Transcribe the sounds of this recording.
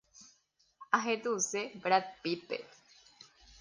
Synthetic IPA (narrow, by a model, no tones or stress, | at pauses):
aɦẽt̪usebɾat̪̚pipḛ